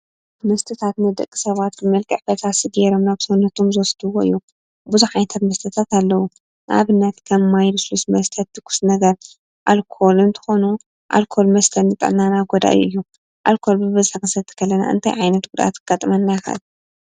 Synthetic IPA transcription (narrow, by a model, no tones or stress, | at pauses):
mɐst̪ʰɨt̪ʰat̪nɨd̪ɐkʼːi̥sɐβat̪̚bɨmɐlkʼɨʕfɐt̪asɨɡeɾo̞mnaβsɐwnːɐt̪ʰomzosɨd̪ʰɨwoɨ̰jːu | buzuħajnt̪ʰat̪mɐst̪ʰɐt̪ʰat̪alːɐwu | nʔa̰βɨnːɐt̪kʰɐmːajɾɨslusmɐst̪ʰɐt̪̚d̪ɨkʰu̥snɐɡɐɾ | ʔalkʰo̞lunt̪ʰɨ̥xo̞nu | ʔa̰lkʰo̞lmɐst̪ʰɐlːɨt̪ʼɨ̰ʕnanaɡod̪a̰ʔj̰ɨ̰jːu | ʔa̰lkʰo̞lbɨbɐzħakɨsɐt̪ʰɨ̥kʰɐlːɐna̰ʔɨ̰nt̪ʰajʕajnɐt̪ɡud̪ʔa̰t̪kʰɨɡat̪ʼɐmɐnːajxɐ̰l